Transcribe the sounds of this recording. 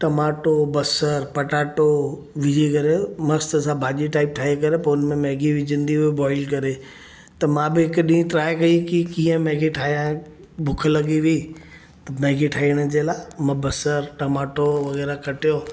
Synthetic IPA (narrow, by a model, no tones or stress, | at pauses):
ʈɐmaːʈobɐsəɾpɐʈaːʈo | ʋɪd͡ʑikɐɾemɐst̪əsãbʱaːʄiʈaːɪp̚ʈʰaːɦikɐɾepɐʊnmẽmɛːɡiʋɪd͡ʑə̃nd̪iɦuibɔːɪlkɐɾe | t̪ɐmãbɪɦɪkɗĩːĩt̪ɾaːjkɐikikĩːə̃mɛːɡiʈʰaːɦijã | bʱʊkʰəlɐɠiʋiː | t̪ɐmɛːɡiʈʰaːiɽ̃əd͡ʑeːlaːmãbɐsəɾʈɐmaːʈoʋɐɣɛːɾakɐʈijoː